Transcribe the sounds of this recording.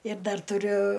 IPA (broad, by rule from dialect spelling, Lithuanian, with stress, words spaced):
ɪr ˈdɐr tʊˈrʲʊ